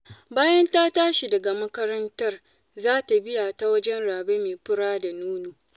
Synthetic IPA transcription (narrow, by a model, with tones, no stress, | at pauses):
baː˦jɐ˦ntaː˦taː˦ʃi˨dɐ˨ɡa˨mɐ˦kɐ˦ɾɐ˦ntɐ˦r | zaː˦ta˨bɪ˦jaː˨ta˦wɐ˦d͡ʒɛ˦nɽaː˨beː˦meː˨ɸɪ˦ɽaː˦da˨nuː˦nuː˨